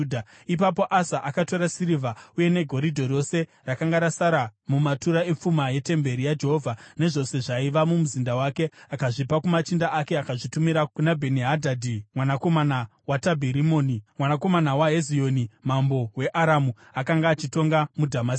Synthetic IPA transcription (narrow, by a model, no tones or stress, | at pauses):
dʱa | ip̬apo̞ʔasaʔakato̞ɾasiɾivauje̞ne̞ɡʱo̞ɾidʱo̞ro̞se̞ | rakaŋɡaɾasaɾamumatuɾae̞p͡fumaje̞te̞mbe̞ɾijad͡ʒeɦovʱane̞ʐo̞se̞ʐaiʋamumuzindawake̞akaʐipakumat͡ʃindaʔake̞akaʐitumiɾakunabʱe̞niɦadʱadʱimwanako̞manawatabʱiɾimoːnimwanako̞manawaɦe̞zijo̞nimambo̞we̞ʔaɾamu | akaŋɡaːt͡ʃito̞ŋɡamudʱamas